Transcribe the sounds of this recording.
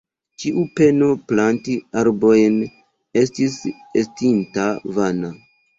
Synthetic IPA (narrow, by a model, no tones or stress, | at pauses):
t͡ʃiʔupe̞no̞plantiaɾbo̞jn | e̞stis | estintavana